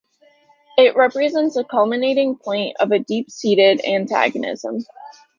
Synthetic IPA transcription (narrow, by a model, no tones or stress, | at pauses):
ɪʔ̚ɹɛpɹɨzɛ̃ntsəkʰʌlˠmɨneɪɾɪ̃ŋpʰɔ̃ɪ̃ntʌ̰vɨdipsiɾɪɾæ̃ntʰæ̰ɡɨnɪ̰z̥ə̰̃m